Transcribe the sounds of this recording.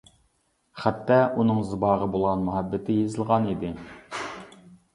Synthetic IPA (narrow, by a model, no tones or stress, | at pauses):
χæt̪ːɑʔunɨŋzɨbɑːʁəbolˠʁɑnmuɦɑbːɪt̪ʰɪjezɨlˠʁɑnid̪ɪ